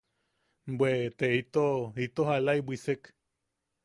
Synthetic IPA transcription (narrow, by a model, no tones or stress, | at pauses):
bwet̪eit̪oit̪oɦalaiwisek